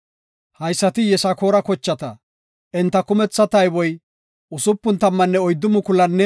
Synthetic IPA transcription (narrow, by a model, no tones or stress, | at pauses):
hɐjsːɐt̪ɪjɛsɐkoːɾɐkɔt͡ʃːɐt̪ɐ | ʔɛnt̪ːɐkʊmɛt͡sːɐt̪ɐjbɔj | ʊsʊpːʊnt̪ɐmːɐnːɛɔjd̪ːʊmʊkʊlɐnːɛ